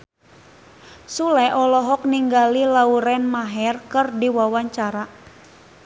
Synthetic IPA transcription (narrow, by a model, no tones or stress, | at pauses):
sulɛʔɔlɔɦɔk̚niŋɡalilauɾɛnmaɦɛrkɨrdiwawaɲt͡ʃaɾa